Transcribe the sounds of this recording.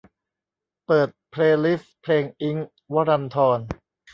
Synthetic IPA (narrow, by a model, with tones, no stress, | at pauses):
pɤː˨˩t̪̚pʰleː˧li˦˥fpʰleː˧ŋʔi˦˥ŋ | wa˦˥ɾa˧nt̪ʰɔː˧n